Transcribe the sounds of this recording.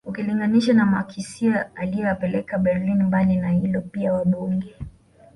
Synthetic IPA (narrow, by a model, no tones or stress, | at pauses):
ukiliŋɡaniʃanamaːkʰisiaalijɛapɛlɛkaɓɛɾlinmbaninahilɔpiawaɗuŋɡɛ